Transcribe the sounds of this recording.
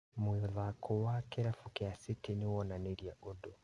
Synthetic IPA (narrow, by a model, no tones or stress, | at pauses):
mwiðakʰowakɛɾafukeasitiniwɔnaneɾjaʔodɔ